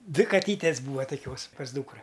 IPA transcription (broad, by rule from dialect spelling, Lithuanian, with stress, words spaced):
ˈdʲʋʲɪ kɐˈtʲiːtʲeːs ˈbuːʋɐ toːˈkʲoːs pɐs ˈduːkrɐ